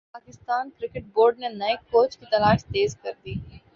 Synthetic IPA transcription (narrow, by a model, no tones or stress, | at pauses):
paːkɪst̪aːnkɾɪkɪʈ̚boːɾɖnenɐɪkkoːt͡ʃkit̪ɐlaːʃt̪eːzkɐɾd̪iː